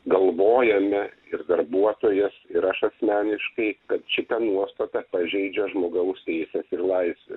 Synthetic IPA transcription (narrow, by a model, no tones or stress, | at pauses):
ɡɐlˠʋoːjɛmʲɛ | ɪɾd̪ɐɾbuɔt̪oːjɛsɪɾɐʃɐsʲmʲæːnʲɪʃkɐɪkɐt̪ʃʲɪt̪ɐnuɔst̪ɐt̪ɑpɐʒʲɛɪd͡ʒʲɛʒmoːɡɐʊst̪ʲɛɪsʲɛsɪɾlˠɐɪsʲʋʲḛ